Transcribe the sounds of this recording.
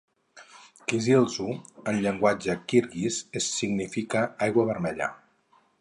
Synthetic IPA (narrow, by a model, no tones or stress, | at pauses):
kizilˠzuənʎəŋɡwad͡ʒəkiɾɣizesːiɡnifikəajɣwəβəɾmɛʎa̰